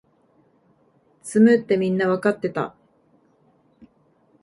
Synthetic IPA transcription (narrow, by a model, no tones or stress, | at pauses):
t͡sɨmɯ̟t̪ːe̞mʲĩnːaβakat̪ːe̞t̪a̰